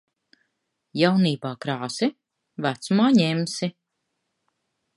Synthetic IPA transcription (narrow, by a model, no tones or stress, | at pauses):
jawniːbaːkɾaːsi | væt̪sumaːɲemsi